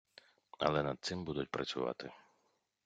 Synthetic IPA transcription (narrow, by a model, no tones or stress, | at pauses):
ɐ̰lˠɛnɐd̪̚t̪sɪmbud̪ʊtʲpɾʔɐt͡sʲʊ̰ʋɑ̰t̪ɪ